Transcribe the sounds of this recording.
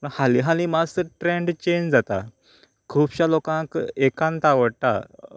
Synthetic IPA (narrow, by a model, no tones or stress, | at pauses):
ə̃haliɦalĩmast̪əɾʈɾeɳɖt͡ɕẽɲd͡ʑd͡zat̪a̰ | kʰuːpɕalokãkekãnt̪aʋəɽt̪a̰